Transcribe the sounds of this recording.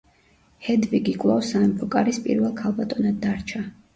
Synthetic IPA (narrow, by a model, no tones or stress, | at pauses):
hɛd̪viɡikʼlˠawsaɛmpʰɔkʼaɾispʼḭɾvɛlˠkʰalˠbat̪ʼɔnad̪̚ːaɾt͡ʃʰa